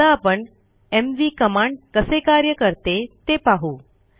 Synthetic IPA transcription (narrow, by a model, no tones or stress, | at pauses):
aːpəɳ | emʋiːkəmaɳɖkəsekaɾjəkəɾt̪et̪epaɦuː